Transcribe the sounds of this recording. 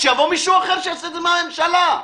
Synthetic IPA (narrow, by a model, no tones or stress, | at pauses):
ʃejavomiʃuaχeʁʃejasɛd̪emame̞mʃala